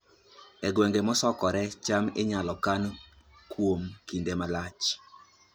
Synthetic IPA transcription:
ɛɡwɛŋɡemɔsɔkɔɾɛt͡ʃamɪɲalɔkan | kwomkindemalat͡ʃ

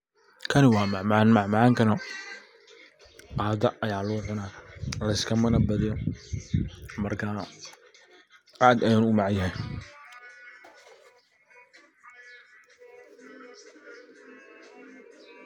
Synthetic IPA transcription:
kʰɐnɪwɑːmɐʕmanmɐʕmʕaːŋkʰɐnɐ | qaːd̪ɐʔɐjaːlʊːʕʊnaːlɐɪskʰɐmɐnɐbɐðɪɔ | mɐrkʰa | ʔaːd̪ɐjanʊmɑʕjɐɦɛ

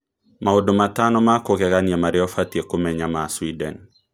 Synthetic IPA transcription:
maodomatanɔmakokɛkanjamaɾjɔfatiekomɛɲamaswidɛn

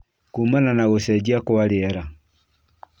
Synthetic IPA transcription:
kumananaɣosɛd͡ʒiakoaɾeɛɾa

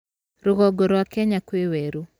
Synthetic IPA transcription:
ɾʊɣɔɡoɾowakɛɲakweweɾu

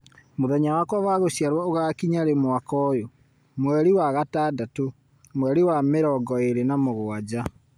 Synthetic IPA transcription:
moðɛɲawakwɔβaɣoɕiaɾwɔoɣakiɲaɾemwakɔjo | mwɛɾiwaɣataːdato | mwɛɾiwameɾɔɡɔeɾenamoɣoad͡ʑa

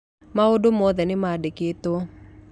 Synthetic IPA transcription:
maodomɔðɛnɪmadeket̪o

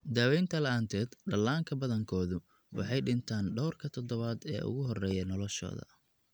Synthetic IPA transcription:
d̪aːwɛjnt̪ʰɐlɐʔaːnt̪ʰɛːd̪ɖɐlːaːŋkʰɐbɐðɐŋkʰɔːðʊ | wɑ̰ħɑjɖɪnt̪ʰaːnɖɔwrkʰɐt̪ʰɔd̪ɔβaːd̪ɛ̰ːʔʊ̰ɣʊɦɔrɛːjɐnɔlɔʃɔ̰ːðɐ̰

